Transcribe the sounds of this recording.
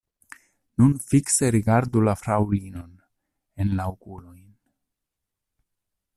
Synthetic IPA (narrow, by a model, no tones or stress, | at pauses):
nunfikse̞ɾiɡaɾdulafɾawlino̞n | enlaokulojn